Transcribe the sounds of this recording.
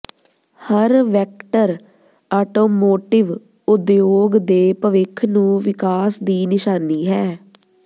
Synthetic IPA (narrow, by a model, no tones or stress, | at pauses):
həɾʋɛːk̚ʈəɾ | aːʈoːmoːʈɪʋ | ʊd̪joːɡd̪eːpəʋɪkʰnũːʋɪkaːsd̪iːnɪʃaːniːɦɛː